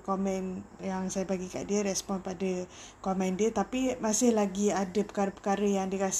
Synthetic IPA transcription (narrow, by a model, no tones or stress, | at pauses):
kɔmɛ̃njaŋsajabaɡika̰ʔdiəɾɛspɔnpadə | kɔmɛ̃ndiət̪apimasɪhlaɡiadəpə̥kaɾəpə̥kaɾəjaŋdiəkas